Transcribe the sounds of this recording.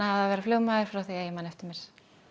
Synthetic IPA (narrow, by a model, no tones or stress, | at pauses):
ahaðavɛːɾafloːwmaðɪɾ̥fɾawθiaimanɛft̪ɪɾmɛɾ̥